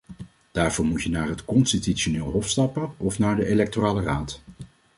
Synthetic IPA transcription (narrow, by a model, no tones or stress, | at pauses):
d̥aːɹvʊːɹmutjənaːɹɦətkɔnstitytʃonɪːlˠɦɔfstɑpəɔfnaːɹdəʔelɛk̚toraːləraːt